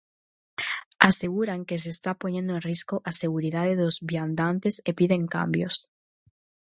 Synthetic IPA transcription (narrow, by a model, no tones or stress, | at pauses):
aseɣuɾaŋkes̬eːst̪apoɲẽnd̪oẽnriskoʔaseɣuɾiðað̞eðozβjand̪ant̪esepiðeŋka̰mbjos